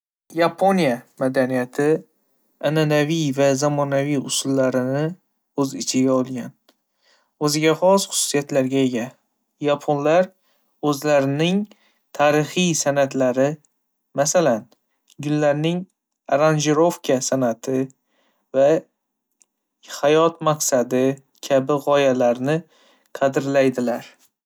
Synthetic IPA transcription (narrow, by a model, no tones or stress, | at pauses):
japʰonijamad̪anijat̪ʰɪ | ananavijvazamɒnavijʊsʊlːaɾɪnɪ | ɵzɪt͡ʃʰɪɡʲaɒlˠɡʲan | ɵzɪɡʲaχɒsχʊ̥sʊ̥sijat̪laɾɡʲaeɡʲa | japʰonlaɾ | ɵzlaɾɪnɪŋ | t̪ʰaɾɪχijsanat̪laɾɪ | masalan | ɡʊlːaɾnɪŋ | ɾand͡ʒɪɾo̞fkʰʲasanat̪ʰɪ | va | hajɒt̪maqsad̪ɪ | kʲʰabɪʁɒjalaɾnɪ | qʰɑd̪ɪɾlajd̪ɪlaɾ